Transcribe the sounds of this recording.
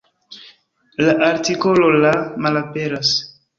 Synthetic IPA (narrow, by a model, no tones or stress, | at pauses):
laʔaɾtiko̞lo̞lamalape̞ɾas